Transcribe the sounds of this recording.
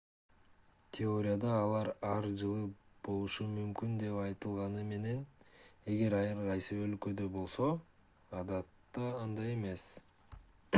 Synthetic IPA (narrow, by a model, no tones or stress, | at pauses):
t̪ʲʰɪo̞ɾʲɪjad̪ɑːlˠɑɾɑɾd͡ʒɯlˠɯb̥o̞lˠuʃumymkynd̪e̞pɑjt̪ɯlˠʁɑnɯme̞ne̞ne̞ɡe̞ɾɑjɯɾqɑjsɯø̞lkø̞d̪øbo̞lˠso̞ | ɑd̪ɑt̪ːɑːnd̪ɑje̞me̞s